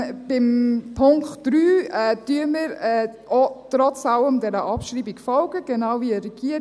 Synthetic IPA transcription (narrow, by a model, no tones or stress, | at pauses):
b̥ɪmpʰʊŋktd̥ɾyːɛd̥yəmiɾɛʔɔtɾɔt͡sɑləmdɛɾəʔɑpʃɾiːbikfɔlɡəɡ̥ɛnawviəɾɛɡ̥iːəɾ